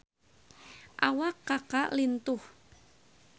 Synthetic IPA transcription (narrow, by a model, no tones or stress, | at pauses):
ʔawakːakaʔlint̪ʊh